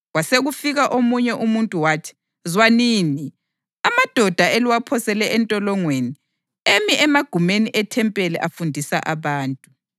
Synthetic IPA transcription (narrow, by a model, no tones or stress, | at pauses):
ɣwaseɣufiɣaʔomuɲɛʔumuntʼuwaːtʰi̥ | zwaniːni | amad̥ʱɔd̥ʱaeliwapʰɔsɛlɛʔɛntʼɔlɔŋweni | emiʔɛmaɡ̥ʱumeniʔɛtʰɛmpʼɛlɛʔafundʱisa̰ʔaβaːntʼu